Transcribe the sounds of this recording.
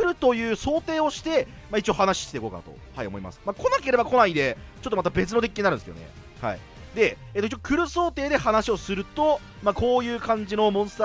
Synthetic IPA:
ɾɯ̟t̪o̞jɯ̟ːso̞ːt̪e̞ːo̞ɕi̥t̪e̞ | maːit͡ɕiohanaɕi̥ɕt̪eikoːka̰nat̪o̞̰ha̰io̞mo̞ima̰sɨ̥maːko̞nake̞ɾe̞bako̞naid̪e̞t͡ɕot̪ːomat̪abe̞t͡sɨno̞d̪ekʲːiɲinaɾɯ̃nskeo̰ḛ | ha̰ḭ | d̪e̞ | eːt̪oit͡ɕːokɯ̟ɾɯ̟so̞ːt̪e̞ːd̪e̞hanaɕio̞sɨɾɯ̟t̪o̞ | mako̞ːjɯ̟ːkãɲ̟d͡ʑino̞mõ̞ɰ̃sɨ̥t̪a

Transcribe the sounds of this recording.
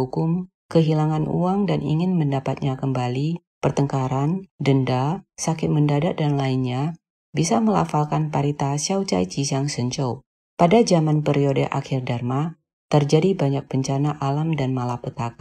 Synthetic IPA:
ukʊm | kəɦilaŋanṵaŋdanʔḭŋɪnməndapat̪̚ɲakəmbali | pərt̪əŋkaɾandəndasakɪt̪̚məndadat̪̚danlainɲa | bisaməla̰falkanpaɾit̪asiawt͡ʃa̰jt͡ʃisaŋsəɲt͡ʃɔ | padad͡ʒamanpəɾiodəʔa̰kɪrdarma | t̪ərd͡ʒadibaɲak̚b̥əɲt͡ʃanaʔalamdanmalapət̪aka

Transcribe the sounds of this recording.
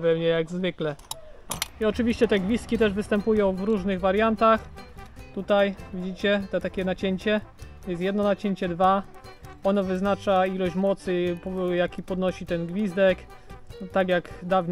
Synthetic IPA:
vɛmɲɛjaɡzvɘklɛ | iɔt͡ʂɘvʲiɕt͡ɕɛt̪ɛɡvʲist̪kʲit̪ɛʐvɘst̪ɛmpujɔ̃w̃vɾuʐnɘɣvaɾʲjant̪axt̪ut̪ajvʲid͡ʑit͡ɕɛt̪ɛt̪akʲɛnat͡ɕeɲt͡ɕɛ | jɛst̪jɛd̪nɔnat͡ɕeɲt͡ɕɛd̪va | ɔnɔvɘznat͡ʂailɔɕmɔt̪sɘpɔjakʲipɔd̪nɔɕit̪ɛnɡvʲizd̪ɛk | t̪akʲjaɡd̪avɲ

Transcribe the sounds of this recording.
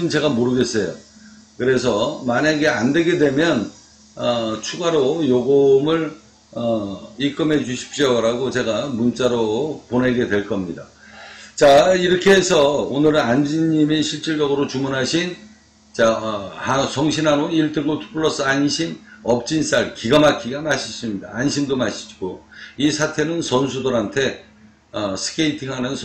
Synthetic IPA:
ɯnt͡ɕe̞ɡamoɾɯɡe̞s͈ʌjo̰ | kɯɾe̞s̬ʰʌmaɲaɡe̞andwe̞ɡe̞dwe̞mjʌn | ʌt͡ɕʰuɡaɾojoɡomɯɭ | ʌik͈ɯmɦe̞d͡ʑuɕʰi̥p̚ɕ͈ʌɾaɡot͡ɕe̞ɡamunt͡ɕ͈aɾoponɦe̞ɡe̞dwe̞ɭk͈ʌmɲida | t͡ɕaiɾʌkʰeɦesʰʌonɯɾɯnand͡ʑiɲimeɕʰiɭt͡ɕ͈iɭd͡ʑʌɡɯɾot͡ɕumunɦaɕʰin | t͡ɕahasʰʌŋɕʰinɦanoiɭt͈ɯŋɡotʰu̥p͈ʰuɭːʌs͈ɯanɕʰimʌp̚t͡ɕ͈ins͈aɭkiɡamakʰiɡamaɕʰi̥s͈ɯmɲida̰ːnɕʰimdomaɕʰi̥d͡ʑiɡ̥oisʰatʰe̞nɯnsʌnsʰudɯɾantʰe̞ | ʌsʰɯ̥kʰeitʰiŋɦanɯnsʰ

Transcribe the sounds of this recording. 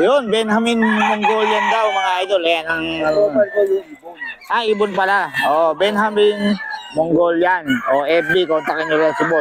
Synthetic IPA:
jonbɛnɦaminmoŋɡoljand̪awmɐŋaad̪olajanaŋa | ʔaʔibʊnpalaobɛnɦaminmoŋɡoljanoʔɛf̚bikont̪akinoɾasɪbot̪̚

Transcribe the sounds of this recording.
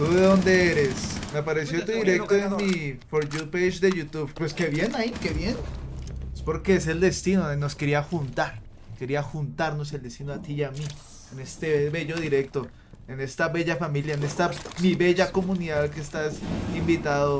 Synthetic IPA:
t̪uðeðo̞nd̪e̞eɾe̞smeapaɾe̞s̬jo̞t̪uðiɾe̞k̚t̪oenmifoɾʝupeʃd̪e̞ʝut̪uβpweske̞βje̞naikeβje̞n | espo̞ɾkees̬e̞ld̪e̞st̪inono̞ske̞ɾiaxunt̪aɾ | ke̞ɾiaxunt̪aɾno̞s̬eld̪e̞st̪inoat̪ijami | ene̞st̪eβe̞ʝo̞ðiɾe̞k̚t̪o̞ | ene̞st̪aβe̞ʝafamiljaene̞st̪amiβe̞ʝako̞muniðaðke̞st̪asimbit̪aðo

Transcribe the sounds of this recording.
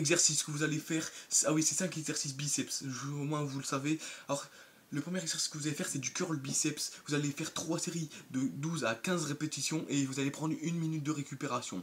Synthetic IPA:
ɛɡzɛʁsiskəvuzalefɛːʁsawisɛsɛ̃kɛɡzɛʁsis̬bisɛpsʒmwɛ̃vuləsavealɔʁ | ləpχəmjɛʁɛɡzɛʁsi̥skəvuzalefɛʁsɛd̪ykʲœʁlbisɛpsvuzalefɛʁt̪χwaseʁid̪əd̪uzakʲɛ̃zʁepet̪isjɔ̃ʔevuzalepχɑ̃d̪ʁynminyt̪̚d̪əʁekʲypeʁasjɔ̰̃

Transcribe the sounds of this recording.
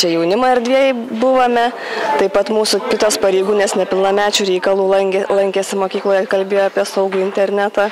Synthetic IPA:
t͡ʃʲɛjɛʊnʲɪmɐːɛɾʲd̪ʲʋʲiɛjɛbʊʋomʲɛ | t̪ɐɪpɐt̪muːsʊkʲɪt̪oːspɐɾʲeɪɡuːnʲeːsnʲɛpʲɪlˠnɐmʲæːt͡ʃʲuːɾʲɛɪkɐlˠuːlˠɐŋʲkʲɛlˠɐŋʲkʲɛsʲɪmoːkʲiːklˠoːjɛkɐlʲbʲeːjoːɑpʲiɛsɐʊɡuːɪnʲt̪ʲɛɾʲnʲæːt̪ɑː

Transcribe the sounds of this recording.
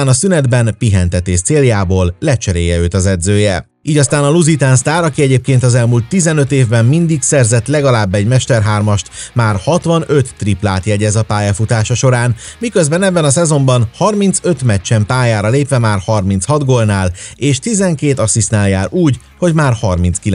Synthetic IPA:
aːnɒsynɛd̪bɛnpiɦɛnt̪ɛt̪eːʃt̪seːljaːboːlːɛt͡ʃɛɾḛːjɛøːt̪ɒzɛd̪zøːjɛ | iːɟɒst̪aːnɒluzit̪aːnst̪aːɾɒkiɛɟeːp̚keːnt̪ɒzɛlmult̪ːizɛnøt̪eːvbɛmːind̪iksɛrzɛt̪lɛɡɒlaːbːɛɟmɛʃt̪ɛrɦaːrmɒʃt̪maːrhɒt̪ʋɒnø̞t̪ːriplaːt̪jɛɟːɛzɒpaːjafut̪aːʃɒʃo̞ɾaːnmikøzbɛnɛbːɛnɒsɛzo̞mbɒnhɒrmint̪søt̪mɛt͡ʃːɛmpaːjaːɾɒleːpʋɛmaːrhɒrmintshɒd̪ɡoːlnaːleːʃt̪izɛŋkeːt̪ɒsisnaːljaːɾuːɟ | ho̞ɟmaːrhɒrminskil

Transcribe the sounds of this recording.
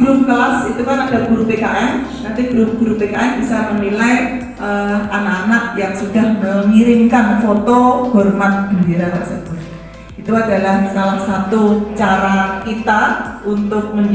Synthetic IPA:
ɾʊmkəlasit̪ukanadaɡ̥uɾupekaʔɛm | nant̪ib̥əɾʊmɡuɾupekaʔɛmbisamənilai | ʔəʔanaanak̚jaŋsudahməmiɾɪŋkanfɔt̪ɔhɔrmat̪̚ɡ̥əndiɾabaʔsəbʊr | it̪uadalahmisalahsat̪ut͡ʃaɾakit̪aunt̪ʊk̚məɲ

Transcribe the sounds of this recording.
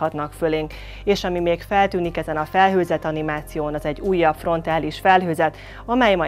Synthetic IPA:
ɒt̪nɒkføleːŋk | eːʃɒmimeːkfɛlt̪yːnikɛzɛnɒfɛlɦøːzɛt̪ɒnimaːt̪sijoːnɒzɛɟːuːjːɒpfro̞n̪t̪aːliʃfɛlɦøːzɛt̪ | ɒmɛjmɒ

